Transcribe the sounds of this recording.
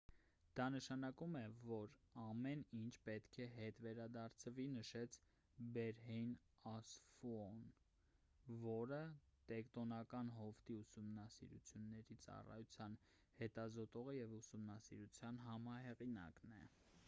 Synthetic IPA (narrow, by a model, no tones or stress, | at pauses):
d̪̥ɑnəʃɑnɑkumɛvɔɾɑmɛnint͡ʃʰpɛt̪kʰɛɦɛt̪vɛɾɑd̪ɑɾt͡sʰəvinəʃɛt͡sʰ | bɛɾɦɛjn | ɑsfuɔn | vɔɾət̪ɛkt̪ɔnɑkɑnɦɔft̪iusumnɑsḭɾṵt͡sʰjunːɛɾit͡sɑ̰rɑ̰jut͡sʰjɑn | hɛt̪ɑzɔt̪ɔʁəjɛvusumnɑsḭɾut͡sʰjɑnɦɑmɑɦɛʁinɑ̰knɛ̰